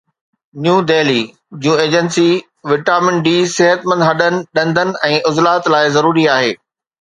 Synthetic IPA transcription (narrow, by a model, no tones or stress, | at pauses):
njuːdeːliː | d͡ʑjũːeːd͡ʑənsi | ʋɪʈaːmɪ̃ɳʈɗiːsɪɦət̪mɐ̃nd̪ɦɐɗənɪ̆ɗɐ̃nd̪ʱənɪ̆ɛ̃ːʔʊzlaːt̪laːɪzɐɾuːɾiaːɦeː